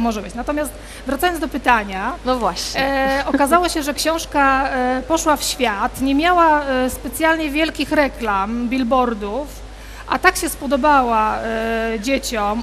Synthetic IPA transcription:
mɔʐɛbɘt͡ɕnat̪ɔmʲjast̪ | vɾat̪ajɔnd̪ɔpɘt̪aɲanɔvwaɕɲɛɔkazawɔɕɛʐɛkɕɔ̃w̃ʂkapɔʂwafɕfʲjat̪ɲɛmʲjawaspɛt̪sʲjalɲɛvʲjɛlkʲixɾɛklambʲilbɔɾd̪uf | ʔa̰t̪akɕɛspɔd̪ɔbawa | d͡ʑet͡ɕɔm

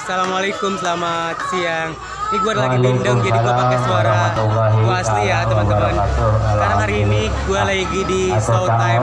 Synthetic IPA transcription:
asalamalakʊmsəlamat̪̚siaŋ | niɡuaɾlaɡibindaŋd͡ʒadiɡuabakajsuaɾawaslijat̪əmant̪əmanskaɾaŋhaɾiːni | ɡualaɡiɡidisawt̪aj

